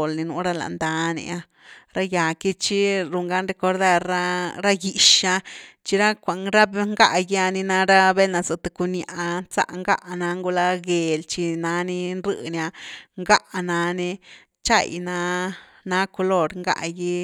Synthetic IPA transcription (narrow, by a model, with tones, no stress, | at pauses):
lni˧nu˧˦ɾa˦la̰˨nd̪a˧nḭ˧a˧ | ɾa˦ja˨ki˦t͡ʃi˦ɾu˧ŋɡa˦nɾe˧ko˧ɾd̪a˦ɾa˦ɾa˦ɡi˨ʃa˧t͡ʃi˧ɾa˦kʷa˨ŋɾa˦bŋɡa˦ʔji˧a˧ni˧na˧ɾa˦be˦na˧sɨ˧t̪u˧ku˧nja̰˨ʔt͡sa̰˦ʔŋɡa̰˦ʔna˧ŋɡu˧la˧ɡe˨lt͡ʃi˧na˧˦ni˧nɾɨ̰˧˦nja˧ŋɡa˦ʔna˧ni˧ | t͡ʃa̰˦˨jna˧ | na˧˦ko˧lo˧ɾŋɡa̰˦ji˦